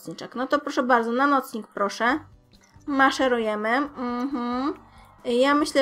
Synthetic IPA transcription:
sɲit͡ʂaknɔt̪ɔpɾɔʂɛbaɾd̪zɔnanɔt̪sɲik̚pɾɔʂɛ | maʂɛɾujɛmɘm̩m̥m̩ | jamɘɕlɛ

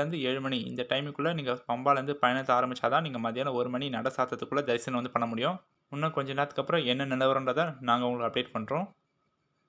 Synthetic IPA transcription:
ɐnd̪ɯeːɻɯmɐɳiɪ̰nd̪ɐʈɐɪmɪkːɯɭːɐniːŋɡɐpɐmbaːlʋɐnd̪ɯpɐjɐnɐt̪ːɐaːɾɐmbɪt͡ʃːaːt̪ãːniːŋɡɐmaːðɪɾɪjaːnɐɔɾɯmɐɳinɐɽɐsaːɾt̪ːɐt̪ːɯkːɯɭːɐd̪ɐɾɪsɐnɐʋɐnd̪ɯpɐɳːɐmʊɽɪjʊ̃ | ʊnːɐkɔɲd͡ʒɐ̃nːaːt̪ːɯ̥kːɐpːɯɾɔ̃ɛnːɐnɪlɐʋɐɾɐndrɐðãːnaːŋɡɐʋʊŋɡɐɭɯkːɐpɽeːʈ̚pɐɳːɾõː

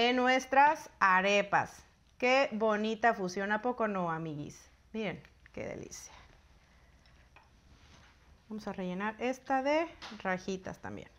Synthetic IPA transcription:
enːwe̞st̪ɾasaɾe̞pa̰s | ke̞βo̞nit̪afusjo̞napo̞ko̞no̞amiɣḭs | miɾen | kḛðḛlḭsjḁ | bamo̞sare̞ʝe̞naɾe̞st̪aðe̞raxit̪a̰st̪a̰mbjḛn

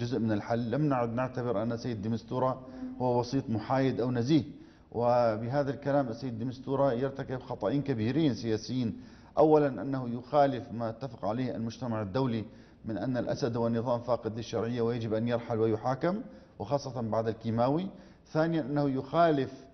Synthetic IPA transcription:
d͡ʒʊzʔmɪnalħalːamnaʕʊd̪nɪʕt̪abɪɾʔanːasːajːd̪d̪ːɪmɪst̪uːɾˤɑhʊwːabɑsˤiːt̪ˤmʊħaːjɪd̪ʔawnaziːh | wʔɪbɪɦaːðalkalaːmʔasajːɪd̪d̪ːɪmɪst̪uːɾˤɑjɪɾt̪akɪbxɑt̪ˤɑʔiːnkabiːɾiːnsɪjaːsɪjːiːn | ʔawːalanʔanːahujʊxaːlɪfmajat̪ːafɪ̥qʕaleːha̰lmʊd͡ʒt̪amaʕad̪ːawli | mɪnʔa̰nːalʔa̰sad̪hwanːɨðˤɑːmfaːqɪd̪lɪʃːɑɾˤʕɪjːawɪjad͡ʒɪbʔanjɪɾˤħalwɪjʊħaːkɪmwɪxɑːsˤːɑt̪ɑnbaʕd̪alkiːmaːwi | θaːnɪjanʔanːahujʊxaːlɪf

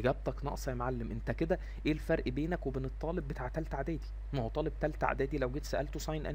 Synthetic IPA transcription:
ɡæb̚t̪ɑknɑ̰ʔsˤɑjemʕalːemʔent̪æked̪æ | ʔeːlfæɾˤʔbeːnækwebenet̪ˤːɑːlebːet̪aʕt̪ælt̪aʕd̪æːd̪i | nohot̪ˤɑːleb̚t̪ælt̪a̰ʕ̰d̪æːd̪ilæwɡet̪sæʔælt̪osˤɑjnʔæ̰

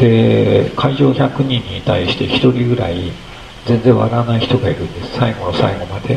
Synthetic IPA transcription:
d̪̥e̞kʰaiʑo̞ːçakɯ̟ɲ̟ĩɲ̟ːit̪aiɕi̥t̪e̞çi̥t̪o̞ɾʲiɡɯ̟ɾa̰i | zẽ̞nd͡zẽ̞ɰ̃βa̰ɾanaiçi̥t̪o̞ɡaiɾɯ̟̃nd̪e̞sɨ̥saiɡo̞nosa̰iɡo̞mad̪̥e̞

